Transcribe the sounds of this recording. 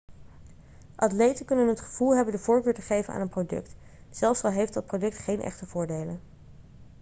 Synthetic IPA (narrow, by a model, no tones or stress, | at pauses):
ʔɑtlejtəkɵnənɦətχəv̥ulˠɦɛbəndəvʊːɹkøːɹtəχejvəna̰ːnənprowdɵ̰kt | sɛlˠfsɑlˠɦejftdɑt̚prodɵk̚tχejnʔɛ̰χtəv̥ʊːɹdejlən